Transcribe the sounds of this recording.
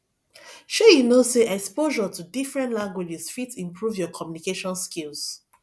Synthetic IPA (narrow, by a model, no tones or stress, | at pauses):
ʃojinoseʔɛkspoʒɔtudifɹɛ̃ntlãŋɡwed͡ʒisfitĩmpʰɹuvjɔkʰɔmjunikeʃɔ̃nskils